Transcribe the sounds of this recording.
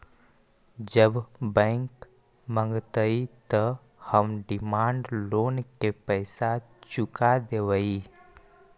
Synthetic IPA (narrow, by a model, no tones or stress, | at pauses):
d͡ʒəbbə̃ŋk | mə̃ŋɡt̪əit̪ə | həmɖɪmaːɳɖloːnkepəɪsa | t͡ʃʊkad̪eʋəi